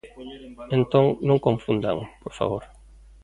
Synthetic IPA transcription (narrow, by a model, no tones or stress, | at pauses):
ẽnt̪õŋnõŋkõɱfũnd̪a̰ŋpoɾfa̰βoɾ